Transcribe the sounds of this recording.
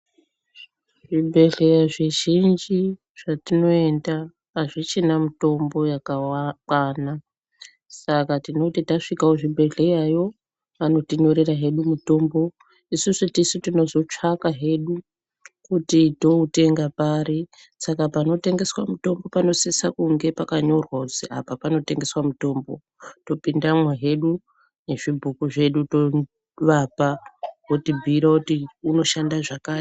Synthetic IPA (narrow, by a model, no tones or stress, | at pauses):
ʐibʱe̞ɮe̞jaʐe̞ʒind͡ʒi | ʐ̥atino̞e̞nda | aʐit͡ʃinamito̞mbo̞jakakwana | sakatino̞titaʂikaoʐibʱe̞ɮe̞jajo̞ | ano̞tiɲo̞ɾe̞raɦe̞ɗumuto̞ːmbo̞ | isusutisutino̞zo̞t͡ʂakaɦe̞ɗu | kutito̞ute̞ŋɡapaɾi | sakapano̞te̞ŋɡe̞swamuto̞mbo̞pano̞sisakuŋɡe̞pakaɲo̞rwakut͡sia̰papano̞te̞ŋɡeswamuto̞ːmbo̞ | to̞pindamwaɦe̞ɗu | ne̞ʐibʱukuʐe̞ɗuto̞ | ʋapawotibʱiːɾakutiuno̞ʃandaʐakaː